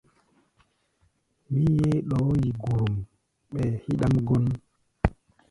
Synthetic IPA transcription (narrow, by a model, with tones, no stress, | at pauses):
mi˦je˦ɗɔ˨˦ji˨ɡu˨ɾu˨m | ɓɛ˨hi˦ɗa˦mɡo˦n